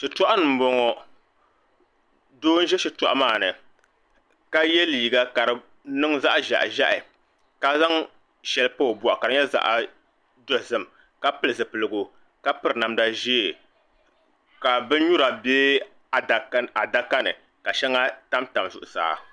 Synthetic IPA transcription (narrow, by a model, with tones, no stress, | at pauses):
ʃɛ˨tɔ˦ʔa˦nɨ˨m̩˦bo˨ŋɔ˨ | doː˦n̩˦ʒɛ˦ʃi˦tɔ̰˨ʔa˦maː˦˨nɨ˨ | ka˦jɛ˦liː˨ɡa˦ka˨ɾɨ˨ | nɨ˦ŋza˦ʔʒa̰˨ʔʒa˦ʔɪ˨ | ka˦za˦ŋ | ʃɛ˨lpo˦˨bɔ˨ʔa˨ka˨ɾɨ˦ɲɛ˦za̰˦ʔa˨ | do˦˨zɨ˦m˨ | ka˦pɨ˦lɨ˨zɨ˨pɨ˨lɨ˨ɡʊ˨ | ka˦pɨ˨ɾna˨mda˦ʒeː˦˨ | ka˨bɨ˦n˦ɲu˦ɾa˨beː˦ | a˨da˨da˦ka˦nɨ˨ | ka˨ʃɛ˦ŋa˦ta˦mta˨mzʊ̰˨ʔʊ˨sa̰ː˨